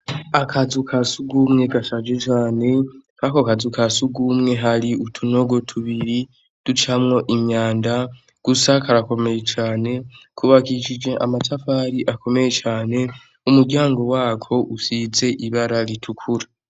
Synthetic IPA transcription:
akʰazukʰasuɡuːmŋe̞ɡasad͡ʒe̞t͡ʃaːne̞kakokazukasuɡuːmŋe̞ɦaɾiutʰuno̞ɡo̞tʰuβiɾi | d̥ut͡ʃamŋo̞ʔimɲaːnda | ɡ̥usakaɾako̞me̞jet͡ʃaːne̞kʰuβakit͡ʃid͡ʒe̞ʔamatafaːɾiʔako̞me̞je̞t͡ʃaːne̞ | umuɾɟaːŋɡo̞waːkʰo̞ʔusize̞ʔiβaɾaɾitʰukʰuɾḁ

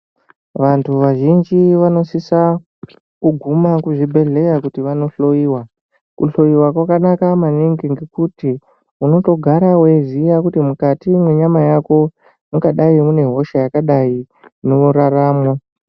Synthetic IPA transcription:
ʋantʰuʋaʒind͡ʒiʋano̞sisa | kuɡʱumakuʐibʱe̞ɮe̞jakutiʋano̞ɬo̞jiːwa | kṵɬo̞jiwakwakanakamaniŋɡiŋɡekuti | uno̞to̞ɡʱaɾawezijakutimukatimwe̞ɲamajako̞ | muɡaɗaimune̞ɦo̞ʃajakaɗai | neuɾaraːmo

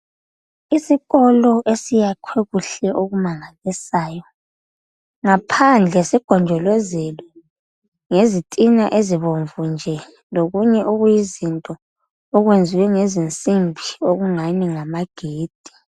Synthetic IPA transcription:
isiɣɔlɔʔesijakʰweɣuɬɛʔoɣumaŋalisaːjɔ | ŋapʰand͡ɮʱɛsiɡ̥ʱɔnd͡ʒʱɔlwɛzɛlɔ | ŋezitʼinaʔeziβoɱvund͡ʒʱɛ | loɣuɲɛʔuɣujizintʼɔː | ɣwend͡zʱiwɛŋezint͡sʼimbʱioɣuŋaniŋamaɡ̥ʱeːd̥ʱi̥

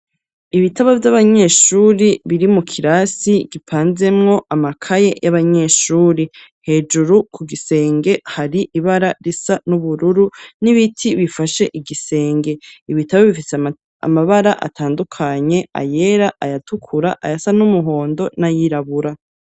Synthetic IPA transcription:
iβitʰaβavjaβaɲe̞ʃuːɾiβiɾimukʰiɾasiɡipʰaːnze̞mŋo̞ʔamakʰaje̞jaβaɲe̞ːʃuːɾi | he̞d͡ʒuɾukʰuɡise̞ːŋɡe̞haɾiʔiβaɾaɾisanuβuɾuɾuniβitʰiβifaʃe̞ʔiɡise̞ːŋɡe̞iβitaβaβifise | a̰maβaɾaʔa̰tʰaːndukʰaɲe̞a̰je̞ɾaʔajatukʰuɾaʔa̰jasanumuɦo̞ːndo̞najiɾaβuɾa

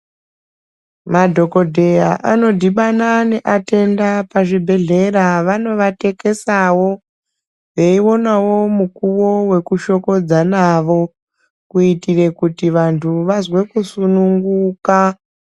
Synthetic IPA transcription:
madʱo̞ko̞dʱe̞jaʔano̞dʱiɓanane̞ʔate̞ndapaʐibʱe̞ɮe̞ɾaʋano̞ʋate̞ke̞sawo̞ | ʋe̞iwo̞nawo̞mukuwo̞we̞kuʃo̞ko̞d͡zanaʋo̞ | kuitire̞kutiʋantʰuʋazwe̞kusunuŋɡuːka

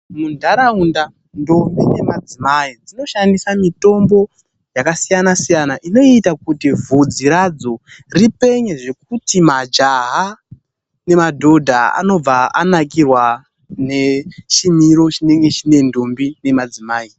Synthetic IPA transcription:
mundʱaɾaunda | ndo̞mbine̞mad͡zimaid͡zino̞ʃandisamito̞mbo̞ | jakasijanasijanaʔino̞itakutivʱud͡ziɾad͡zo̞ripe̞ɲeʐe̞k̚utimad͡ʒaɦa | ne̞madʱo̞dʱaa̰no̞b͡vaanak̬irwa | ne̞t͡ʃimiɾo̞t͡ʃine̞ŋɡe̞t͡ʃine̞ndo̞mbine̞mad͡zimaːi

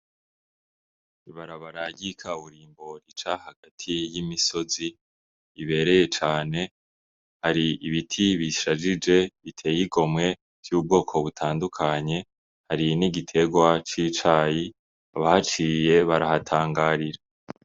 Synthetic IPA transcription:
iβaɾaβaɾaɟikʰauβuɾiːmbo̞ɾit͡ʃahaɡatʰijimiso̞ziː | βe̞ɾe̞je̞t͡ʃaːne̞ | haɾiiβitʰiβiʃad͡ʒid͡ʒe̞βitʰe̞ːjiɡo̞mŋe̞ | v̥juːb̚ɡo̞ːkʰo̞βutʰaːndukʰaɲe̞ | haɾiniɡitʰe̞ɡwat͡ʃiːt͡ʃaːji | aβahat͡ʃije̞βaɾahatʰaːŋɡaːɾiɾa

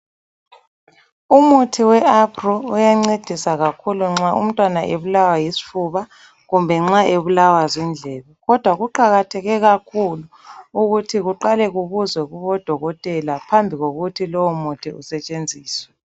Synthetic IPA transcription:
umutʰiwɛapʰrɔujaŋ͡ǀed̥ʱisaɣakʰuluŋ͡ǁaʔṵm̩tʼwanaʔeβulawajisi̥fuβa | ɣumbʱɛŋ͡ǁaʔeβulawazind͡ɮʱɛːβɛɣɔd̥ʱwaɣuǃaɣatʰɛɣɛɣakʰuluː | ɣutʰiɣuǃalɛɣuβuzwɛɣuβɔd̥ʱɔɣɔtʼɛlapʰambʱiɣoɣutʰilɔwɔmutʰiusɛt͡ʃʼend͡zʱiːswɛ

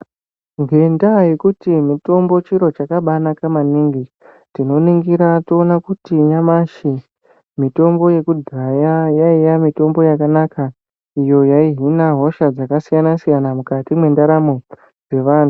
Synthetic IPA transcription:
ŋɡe̞ndaje̞kutimito̞mbo̞t͡ʃiɾo̞t͡ʃakaɓanakamaniːŋɡi | tino̞niŋɡiɾatoːnakutijamaʃi | mito̞mbo̞je̞kudʱajajaijamito̞mbo̞jakanaka | ijo̞jaiɦinaɦo̞ʃad͡zakasijanasijanamukatimwe̞ndaɾamo̞ | d͡ze̞ʋaːn̤u

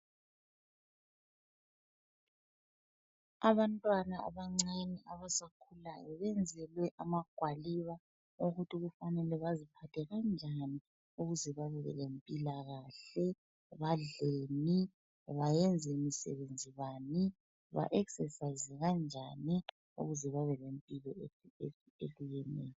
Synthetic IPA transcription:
aβantʼwanaa̰βaŋ͡ǀaniʔaβasakʰulajɔβɛnd͡zʱɛlwɛʔamaɡ̥ʱwaliβa | oɣutʰiɣufanɛlɛβazipʰatʰɛɣand͡ʒʱani | uɣuzɛβaβɛlɛ̰lempʼilaɣaɬɛ | βaɮeni | βajɛnd͡zʱɛmisɛ̰βend͡zʱiβani | βa̰ʔɛksɛsaizɛɣand͡ʒʱani | ṵɣuzɛβaβɛlempʼilɔee | eɬujɛnḛːjɔ

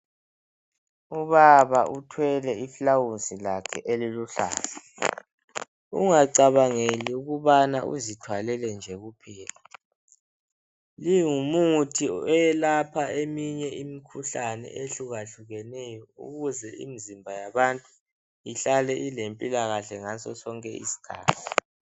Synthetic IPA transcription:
uβaβautʰwɛlɛiflawunsʼilakʰɛ̰ʔeliluɬa̰ːla | ṵŋaǀaβaŋeliuɣuβanaʔṵzitʰwalɛlɛnd͡ʒʱɛɣupʰiːla | liŋumutʰiɔjɛlapʰaemiɲɛimikʰuɬanɛ̰eɬuɣaɬuɣɛnɛjɔṵɣuzɛḭmizimbʱajaβantʼu | iɬalɛʔilempʼilaɣaɬɛŋasɔsɔŋkʼɛḭsi̥kʰa̰ːtʰi

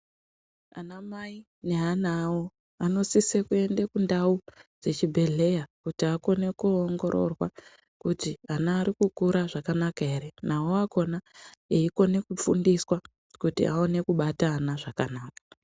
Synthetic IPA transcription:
a̰namai | ne̞ɦanawo | ano̞sisekue̞ndekundaud͡ze̞t͡ʃibʱe̞ɮe̞jakutiako̞ne̞kuoŋɡo̞ɾo̞̰rwa̰ | kutianaːɾikukuɾaʐakanakaɦe̞ɾe̞naoako̞naeiko̞ne̞kufṵndiswa | kutḭʔao̞ne̞kuɓataːnaʐakanaːkḁ

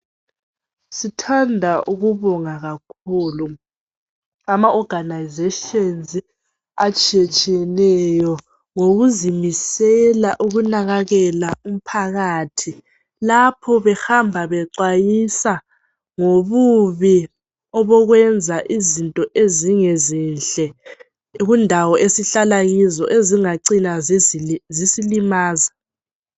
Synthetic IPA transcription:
sitʰandʱaʔuɣuβɔŋaɣakʰuːlu | amaʔɔɡ̥ʱanajzeʃenzi | at͡ʃʼiɛt͡ʃʼiɛlɛjɔ | ŋoɣuzimisɛlaʔuɣunaɣaɣɛlaum̩pʰaɣaːtʰi | lapʰɔβɛhambʱaβɛǀwajisa | ŋoβuβi | ɔβɔɣwɛnd͡zʱaʔizintʼɔʔeziŋɛzɛnɬʼɛ | ɣundʱawɔʔesiɬalaɣizɔʔeziŋaǀina | zisilimaːza

